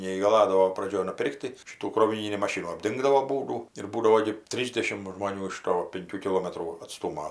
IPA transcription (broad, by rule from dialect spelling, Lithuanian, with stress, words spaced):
nʲɛiːɡɐˈlˠɑːdɐʋoː prɐˈd͡ʒʲoːj nʊˈpʲɪrʲkʲtʲ tɐɪ ˈʃʲɪtuː kroːʋʲɪˈnʲiːnʲiː mɐˈʃʲɪnuː ɐbʲˈdʲɪŋɡdɐʋoː ˈbuːduː ɪr ˈbuːdɐʋoː ɡʲɪ ˈtʲrʲiːzʲdʲɛʃʲɪmt ʒmoːˈnʲuː ɪʃ ˈtoː pʲɪŋʲˈkʲuː kʲɪˈlˠoːmʲɛtruː ɐtˈstuːmoː